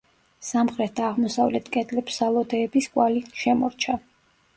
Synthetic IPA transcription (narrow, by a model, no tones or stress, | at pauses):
samχɾɛt̪̚ʰd̪aːʁmɔsavlɛt̪ʰkʼɛt̪ʼlɛpsalˠɔd̪ɛːbiskʼwaliʃɛmɔɾt͡ʃʰa